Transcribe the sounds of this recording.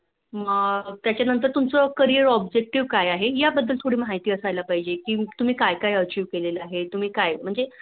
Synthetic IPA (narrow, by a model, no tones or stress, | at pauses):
ət̪jat͡ɕjanənt̪̬əɾt̪umt͡sɔkəɾiəɾɔbd͡ʑek̚ʈiʋkajaɦejabəd̪ʱːəlt̪ʰoɽiːmɦajt̪iːəsajlapaɦid͡ʑekiːt̪um̤iːkajkajət͡ɕiːʋkeleləaɦet̪um̤iːkajm̤əɳd͡ze